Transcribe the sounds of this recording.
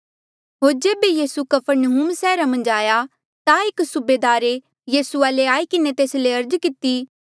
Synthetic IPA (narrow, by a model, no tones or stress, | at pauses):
ɦoːɾd͡ʒeːbejiːsukɐpʰəɾnɐɦuːmsɛːɾamɐ̃nd͡ʒaːja | t̪aɪksʊbeːd̪aːɾe | jiːsuaːleaːikɪnet̪eːsleɐɾd͡ʒkɪt̪i